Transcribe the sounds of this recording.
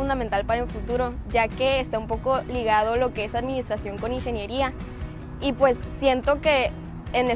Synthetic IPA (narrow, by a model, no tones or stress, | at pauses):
und̪ament̪alpaɾaelfut̪uɾo̞ʝake̞ːst̪aumpo̞ko̞liɣað̞o̞lo̞ke̞esaðmĩnist̪ɾasjo̞ŋko̞niŋxe̞nje̞ɾia | ipwe̞sːjent̪o̞ke̞ː | ne